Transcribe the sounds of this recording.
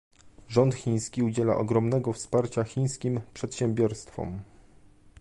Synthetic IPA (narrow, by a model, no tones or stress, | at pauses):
ʐɔnt̪xʲiɲ̃skʲiud͡ʑɛla̰ʔɔɡɾɔmnɛɡɔfspaɾt͡ɕaxʲij̃skʲimpʂɛt̪ɕɛmbʲjɔɾst̪fɔ̰m